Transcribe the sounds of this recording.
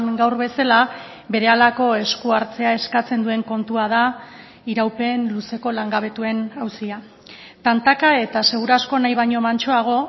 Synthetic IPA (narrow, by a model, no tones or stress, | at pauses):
ŋɡawɾβe̞sala | be̞ɾe̞alako̞e̞skuaɾt͡se̞ae̞skat͡se̞nd̪ue̞ŋko̞nt̪uað̞a | iɾawpe̞nluse̞ko̞laŋɡaβ̞e̞t̪ue̞nawsia | t̪ant̪akae̞t̪ase̞ɣ̞uɾasko̞najβaɲo̞mant͡ʃo̞aɣ̞o̞